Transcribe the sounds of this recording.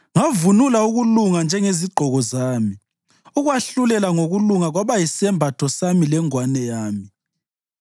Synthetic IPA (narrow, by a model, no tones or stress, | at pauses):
ŋavunulauɣuluŋand͡ʒʱɛŋeziɡ͡ǃʱɔɣɔzaːmi | uɣwaɬulɛlaŋoɣuluŋaɣwaβajisɛmbʱatʰɔsamilɛŋwanɛjaːmi